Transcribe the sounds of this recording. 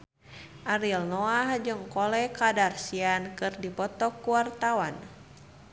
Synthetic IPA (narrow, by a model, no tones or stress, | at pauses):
ʔaɾilnɔahd͡ʒɨŋkɔlɛkadarsiankɨrdipɔt̪ɔkːuwart̪awan